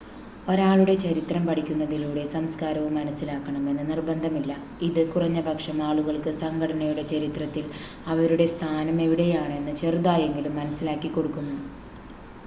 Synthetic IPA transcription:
o̞ɾaːɭuɽe̞t͡ɕɐɾit̪rɐmpɐʈʰikʲːunːɐðiluːɽe̞sɐmskaːɾɐʋumːɐnɐsːilaːkːɐɳɐme̞nːɨnirbɐnd̪ʱɐmilːɐ | iðɨkurɐɲːɐbɐkʂɐmaːɭuɣɐɭkɨsɐŋɡʰʱɐɽɐnɐjuɽe̞t͡ɕɐɾit̪rɐt̪ːil | ɐʋɐɾuɽe̞st̪ʰaːnɐme̞ʋiɽe̞jaːɳe̞nːɨt͡ɕe̞ruðaːje̞ŋɡilumːɐnɐsːilaːkːikːo̞ɽukːunːu

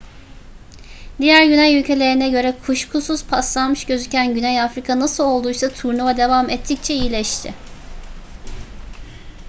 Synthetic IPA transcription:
d̪ijæɾɟynæjylʲcʰe̞lʲe̞ɾinɛɟø̞ɾɛkʰuʃkʰusuz̥pʰaslˠanmɯʃɟø̞zycʰænɟynɛjafɾikʰanasɯlˠo̞lˠd̪ujsat̪ʰuɾnuvad̪e̞vamɛt̪ʰːic̚t͡ʃʰɛiilʲɛʃt̪ʰɪ̰

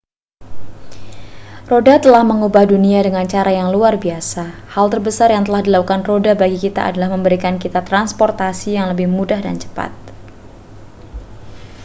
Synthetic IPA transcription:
rodat̪əlahməŋubahduniadəŋant͡ʃaɾajaŋluarbiasahalt̪ərbəsarjaŋt̪əlahdilakukanrodabaɡikit̪a̰ʔa̰dalahməmbəɾikankit̪at̪ɾanspɔrt̪asijaŋləbɪhmudahda̰nt͡ʃə̥pa̰t̪̚

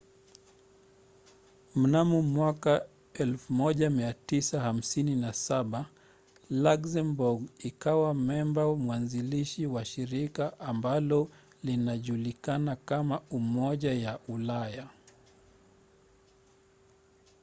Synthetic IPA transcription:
m̩namumwaka | ɛlfumɔʄamiatisaham̩sininasaɓa | laksɛmbuɡikawamɛmbamwanziliʃiwaʃiɾikaʔːmbalɔ | linaʄulikanakamaumɔʄajaʔulaja

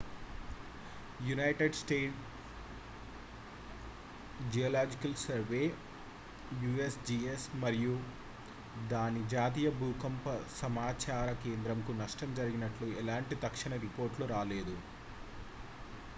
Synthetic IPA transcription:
junɐjʈeɖsʈeːʈ | d͡ʒijoːlaːd͡ʒikɐlsɐɾʋe̞ː | juːesd͡ʒiːesmɐɾiju | d̪aːnid͡ʒaːt̪̬iːjɐbuːkɐmpɐsɐmaːt͡ʃaːɾɐke̞ːnd̪ɾɐmkunɐʂʈɐmd͡ʒɐɾiɡinɐʈluɛlaːɳʈit̪ɐkʂiɳɐɾipo̞ːɾʈluɾaːle̞ːd̪u

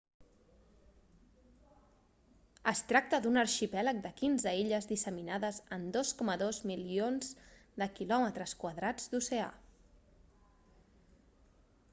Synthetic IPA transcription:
əst̪ɾak̚t̪əðunəɾʃipɛlək̚d̪əkinzəiʎəzðisəminaðəzənd̪oskɔməðozmilionzd̪əkilɔmət̪ɾəskwəðɾad͡zd̪usea̰

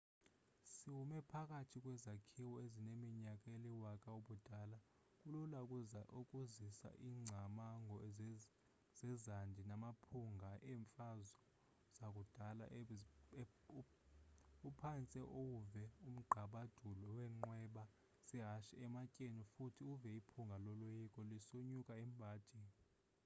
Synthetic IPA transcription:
siwumɛpʰak̬ʼatʰik̬ʼwɛzakʰiwɔezinemiɲakʼeliwakʼauɓud̥ʱala | kʼululakʼuaʔokʼuzisa̰ʔiːŋ͡ǀʱamaŋɡʱɔ | z̥ɛzandʱinamapʰuŋɡʱaɛɱfazɔ | z̥akʼud̥ʱala̰ʔ | upʰant͡sʼɛʔowuvɛum̩ɡ͡ǃʱaɓad̥ʱulɔwɛŋ͡ǃwɛɓa | sɛɦaʃɛɛmacʼenifutʰiuvɛipʰuŋɡʱalɔlojikʼɔlisuɲukʼaɛmbʱaːd̥ʱii

